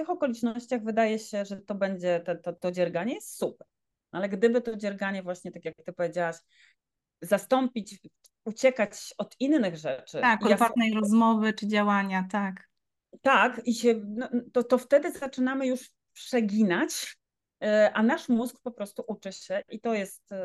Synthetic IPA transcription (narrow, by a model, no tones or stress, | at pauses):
ft̪ɘxɔkɔlʲit͡ʂnɔɕt͡ɕaɣvɘd̪ajɛɕɛʐɛt̪ɔbɛɲd͡ʑɛt̪ɛt̪ɔt̪ɔd͡ʑɛɾɡaɲɛjɛst̪supɛɾ | nʔalɛɡd̪ɘbɘt̪ɔd͡ʑɛɾɡaɲɛvwaɕɲɛt̪akʲjakt̪ɘpɔvʲjed͡ʑawaɕ | zast̪ɔmpʲit͡ɕ | ut͡ɕɛkat͡ɕɔd̪inːɘɣʐɛt͡ʂɘakɔafvat̪̚nɛjɾɔzmɔvɘt͡ʂɘd͡ʑawaɲat̪ak | t̪akiɕɛnɔt̪ɔt̪ɔft̪ɛd̪ɘzat͡ʂɘnamɘjuʂ | pʂɛɡʲinat͡ɕ | ʔanaʂmuzkpɔpɾɔst̪uʔut͡ʂɘɕɛʔit̪ɔjɛst̪